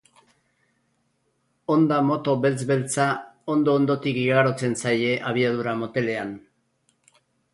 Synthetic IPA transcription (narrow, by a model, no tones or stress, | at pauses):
o̞nd̪amo̞t̪o̞βe̞lt͡sβe̞lt͡sao̞nd̪o̞ːnd̪o̞t̪ikiɣaɾo̞t͡se̞nsaje̞ʔaβ̞iaðuɾamo̞t̪e̞le̞an